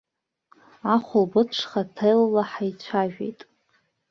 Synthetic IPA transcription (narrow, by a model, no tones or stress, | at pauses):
aχʷʊlbɨʈ͡ʂʰχatʰejlːaħajt͡ɕʷʰaʒᶣḛjtʼ